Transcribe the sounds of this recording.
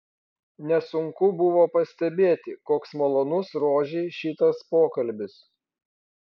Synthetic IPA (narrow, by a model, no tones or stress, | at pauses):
nʲɛsʊŋkʊbʊʋoːpɐsʲt̪ʲɛbʲeːt̪ʲɪkoːksmɐlˠoːnʊsɾoːʒʲiːʃʲiːt̪ɐspoːkɐlʲbʲɪs